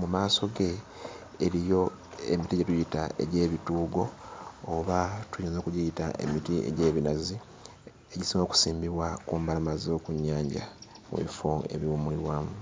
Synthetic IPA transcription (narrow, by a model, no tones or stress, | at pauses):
mumaːso̞ɡe̞ː | ɾijo̞ | ḛmitiɟetujitae̞̰ɟe̞ːβituːɡo̞ː | βatujoːnzokuɟijitaʔe̞̰mitie̞̰ɟe̞ːβinazi | eɟisiŋoːku̥siːmbiβwakuːmbalamazo̞ːkuɲːaːɲɟa̰ | mṵβḭfoe̞̰βjuːmuliɾwaːmu